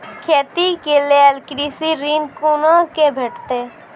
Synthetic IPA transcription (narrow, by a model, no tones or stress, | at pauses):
kʰeːt̪ikeleəlkɾiːsiɾiːnkuːnakebʱeːʈʰt̪eː